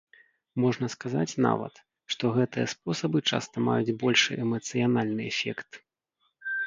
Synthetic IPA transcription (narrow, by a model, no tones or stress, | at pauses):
mɔʐnɐskazat͡sʲna̰vɐ̰t̪ | ʂt̪ɔɣɛt̪ɨjɐspɔsɐbɨt͡ʂa̰st̪ɐma̰jud͡zʲbɔlʲʂɨ̰ʔɛmɐt̪sɨjanalʲnɨɛfʲɛ̰kt̪